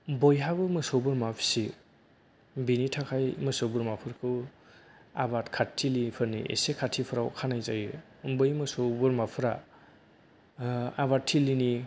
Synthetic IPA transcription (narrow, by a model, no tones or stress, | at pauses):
bɔjɦabɯmɯsɔwbɯɾmapʰi̥si | binitʰakʰajmɯsowbɯɾmapʰɯɾkʰɯw | a̰batkʰatʰːilipʰɯɾniʔḛsekʰatʰipʰɯɾa̰wkʰanajzaj | bɯjmɯsowbɯɾmapʰɯɾa | aβatʰːilini